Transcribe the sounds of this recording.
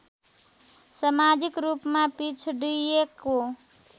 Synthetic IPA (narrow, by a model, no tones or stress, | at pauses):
səmad͡ʒikɾupmapit͡ʃʰɖijeko